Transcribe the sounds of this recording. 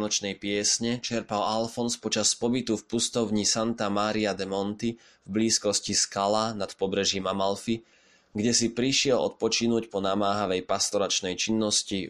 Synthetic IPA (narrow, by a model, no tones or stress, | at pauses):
nɔt͡ʃnɛjpɪɛsɲɛt͡ʃɛɾpalalfɔnspɔt͡ʃaspɔbit̪ufpust̪ɔʊɲisant̪amaːɾiad̪ɛmɔnt̪i | vbliːskɔsciskalanat̪pɔbɾɛʒimamalfi | ɡɟɛsipɾiʃɪɛlɔ̰t̪̚pɔt͡ʃinuːcpɔnamaːɦaʋɛjpast̪ɔɾat͡ʃnɛjt͡ʃinːɔsci